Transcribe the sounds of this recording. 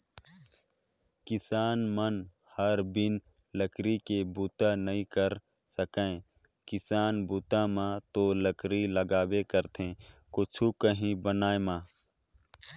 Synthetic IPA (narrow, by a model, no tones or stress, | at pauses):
kɪsaːnmənhəɾbɪnləkɾikebuːt̪anəĩkəɾsəkẽːkɪsaːnbuːt̪ãmãt̪oləkɾiləɡaːwekəɾt̪ʰẽːkʊt͡ʃʰukəɦĩbənaːemãː